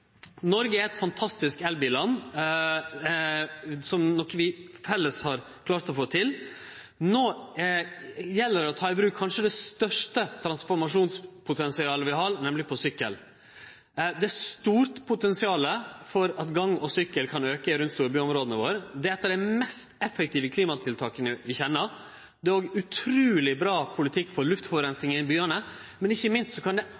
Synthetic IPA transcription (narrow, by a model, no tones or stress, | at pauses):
nɔɾɡəæɾɛt̪fɑnt̪ʰɑst̪ɪskɛlbɪlɑnː | sɔmnɔkːʋɪhɛlːəshɑɾ | kʰlɑːɾt̪ɔfoːt̪ʰɪl | noː | jɛlːəɖɛɔt̪ʰɑːɪbɾʉːkʰːɑnʂəd̪ɛst̪œʂʈət̪ʰɾɑnsfɔɾmɑʂuːnspʰʊt̪ʰɛnsɪɑːləʋɪɦɑɾnɛmlɪpʰɔsʏkːə̰l | d̪ɛst̪uːɾt̪pʰʊt̪ɛnsɪɑːləfɔɾɑt̪ɡɑŋːɔsʏkːəlkʰɑnøːkəɪɾʉnt̪st̪uːɾəbyːɔmɾoːd̪ənəʋoːɾd̪ɛɛt̪ːəɖ̪ɛmɛst̪ɛfːək̚t̪iːʋəkʰliːmɑt̪ʰɪlt̪ʰɑːkənəʋɪçɛnːəɾ | d̪ɛoːɡʉt̪ʰɾʉːlɪbɾɑːpʰʊlɪt̪ʰɪkːfɔɾɭʉft̪fɔʋɾɛnsɪŋəɪnbyːənə | mɛnɪçːəmɪnst̪sɔkʰɑnd̪ɛ